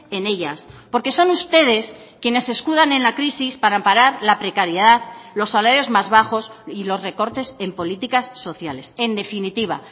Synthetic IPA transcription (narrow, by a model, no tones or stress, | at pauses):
e̞ne̞ʎaspo̞ɾke̞so̞nust̪e̞ðe̞skje̞ne̞se̞skuðane̞nlakɾisispaɾampaɾaɾlapɾe̞kaɾjeðaðlo̞sːalaɾjo̞zmazβaxo̞silo̞sre̞ko̞ɾt̪e̞se̞mpo̞lit̪ikasːo̞θjale̞se̞nd̪e̞finit̪iβ̞a̰